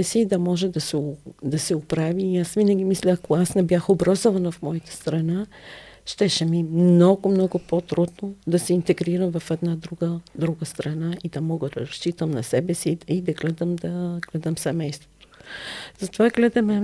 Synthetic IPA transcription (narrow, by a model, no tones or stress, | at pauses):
ɛsiːd̪ɐmɔʒɛd̪ɐsɛod̪ɐsɛopɾaviːasvinəɡʲimislʲɛːkoasnɛbjaxobɾazovɐnɐfmɔɐt̪ə̥st̪ɾɐnaʃt̪ɛʃɛmimnɔɡʊmnɔɡʊpot̪ɾud̪nod̪ɐsɛint̪ɛɡɾiɾəmvɐfɛd̪nad̪ɾuɡəd̪ɾuɡəst̪ɾɐnaid̪ɐmɔɡəd̪ɐɾɐʃt͡ʃit̪əmnɐsɛbɛsiid̪ɐɡlɛd̪əmd̪ɐɡ̥lɛd̪əmsɛmɛjst̪vo̥t̪o̥z̥ɐt̪ovaɡlɛd̪ɐmɛ